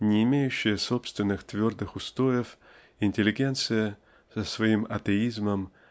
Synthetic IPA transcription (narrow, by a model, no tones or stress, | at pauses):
nʲɪːmʲejʉɕːɪjəso̞pst̪vʲɪnːɨxt̪vʲo̞rd̪ɨxʊst̪o̞jɪf | ɪnʲtʲɪlʲɪɡʲent̪sɨjə | səsvɐimɐt̪əizməm